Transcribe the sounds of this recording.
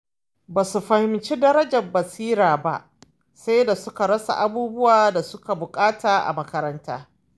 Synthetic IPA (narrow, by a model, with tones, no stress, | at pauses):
baː˨su˨ɸɐ˨hɪ˨mt͡ʃiː˦dɐ˦ɾɐ˦d͡ʒɐ˨mbɐ˨siː˦ɾaː˨ba̰˦ʔ | sa˦jda˨sʊ˦ka˨ɽɐ˦sa̰˨ʔa˦buː˦bʊ˦waː˨da˨sʊ˦ka˨bʊ˨kʼaː˦taː˨ʔa̰˨mɐ˦kɐ˦ɾɐ˦ntaː˦